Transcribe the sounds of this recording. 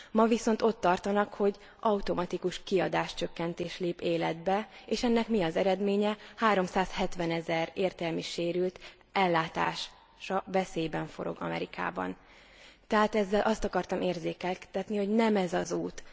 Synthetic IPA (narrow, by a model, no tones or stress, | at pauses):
mɒviso̞nt̪o̞t̪ːɒrt̪ɒnɒkho̞ɟ | ʔɒut̪o̞mɒt̪ikuʃkiɒd̪aːʃt͡ʃø̞kːɛnt̪eːʃleːpeːlɛd̪bɛeːʃɛnːɛkmiɒzɛɾɛd̪meːɲɛhaːɾo̞msaːshɛt̪ʋɛnɛzɛreːrt̪ɛlmiʃeːɾylt̪ | ɛlːaːt̪a̰ːʃ | ʃɒvɛseːjbɛɱfo̞̰ɾo̞̰ɡɒ̰mɛ̰ɾika̰ːbɒ̰n | t̪ɛɦaːt̪ɛzːɛlʔɒst̪ɒkɒrt̪ɒmeːrzeːkɛlt̪ɛt̪niho̞ɟnɛmɛzɒzuːt̪